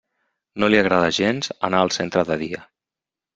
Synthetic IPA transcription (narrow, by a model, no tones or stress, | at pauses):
noliaɣɾaðaʒenzənaəlˠsent̪ɾəðəðiə